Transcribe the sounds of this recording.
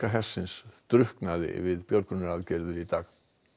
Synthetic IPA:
aɦɛsːɪnst̪ɾʏhknaðɪ̰vɪðpjɔɾkʏnɛɾaðcɛɾðʏɾit̪aːɣ

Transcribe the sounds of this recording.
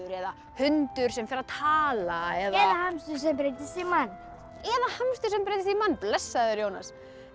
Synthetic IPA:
ʏɾɛða | hʏnt̪ʏɾ̥sɛmfɪɾaðt̪ʰaːlaɛðɛðaɦamst̪ʏs̬ɛmpɾejt̪ɪsimanː | ɛðahamst̪ʏsɛmpɾejt̪ɪsimanːplɛsːaðʏɾjoːwna̰s

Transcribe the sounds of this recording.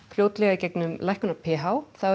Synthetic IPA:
fljoːwt̪lɛɣaicɛknʏmlajhkʏnapʰɛːɦawθa

